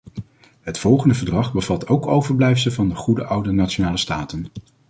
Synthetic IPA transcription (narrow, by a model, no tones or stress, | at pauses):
ɦətfɔlˠχəndəvəɹdrɑχbəvɑtʰowkowvəɹblɛjfsəlˠvɑndəχudəʔʌwdənaːt͡ʃonaːləstaːtən